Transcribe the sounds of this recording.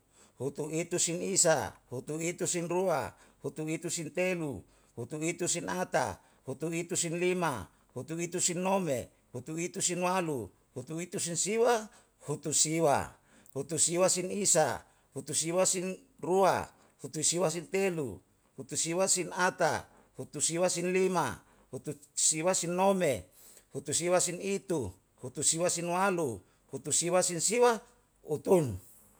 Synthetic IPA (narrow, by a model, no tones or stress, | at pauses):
hut̪uit̪usinisa̰hut̪uit̪usinrua̰hut̪uit̪usint̪elṵ | hut̪uit̪usinat̪a̰ | hut̪uit̪usinlima̰ | hut̪uit̪usinːomḛ | hut̪uit̪usinwalu | hut̪uit̪usinsiwa | hut̪usiwa̰ | hut̪usiwasinisa̰ | hut̪usiwasin | rua̰ | hut̪usiwas̬int̪elṵ | hut̪usiwasinat̪a̰ | hut̪usiwasinlima̰ | hut̪usiwasinːome | hut̪usiwasinit̪u | hut̪usiwasinwalu | hut̪usiwasinsiwa | ut̪un